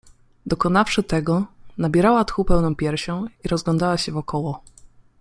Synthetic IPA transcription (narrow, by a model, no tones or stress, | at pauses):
d̪ɔkɔnafʂɘt̪ɛɡɔnabʲjɛɾawat̪xupɛwnɔ̃w̃pʲjɛɾɕɔ̃w̃iɾɔzɡlɔnd̪awaɕɛvɔkɔwɔ